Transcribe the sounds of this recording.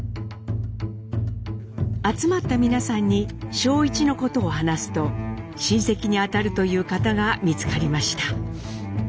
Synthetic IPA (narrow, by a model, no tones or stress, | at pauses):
at͡sɨmat̪ːamʲinasãɲ̟ːiɕo̞ːit͡ɕino̞ko̞t̪o̞ːɦanasɨ̥t̪o̞ɕĩɰ̃se̞kʲiɲ̟iat̪aɾɯ̟t̪o̞jɯ̟ːkat̪aɡamʲit͡sɨ̥kaɾʲimaɕi̥t̪ḁ